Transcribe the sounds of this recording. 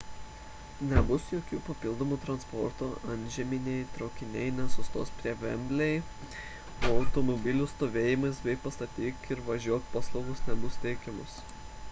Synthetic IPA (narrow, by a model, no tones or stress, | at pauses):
nʲɛbʊsjoːkʲuːpɐpʲɪlˠd̪oːmuːt̪ɾɐnspɔ̰ɾt̪oːɐnʲʒʲɛmʲɪnʲɛɪt̪ɾɒʊkʲɪnʲɛɪnʲɛsʊst̪oːspʲɾʲiɛʋʲɛ̰mʲbʲlʲɛɪ | oɒʊt̪omɔbʲɪlʲʊst̪oːʋʲeːjɪmɐɪsbʲɛɪpɐst̪ɐt̪ʲiːkɪɾʋɐʒʲuɔkpɑːslˠɐʊɡʊsnʲɛbʊst̪ʲɛɪkʲɛmʊs